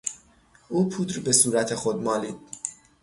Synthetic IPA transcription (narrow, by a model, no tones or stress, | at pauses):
uːpʰuːd̪ɾbe̞suːɾæt̪ʰexod̪̚mɒːliːd̪̥̚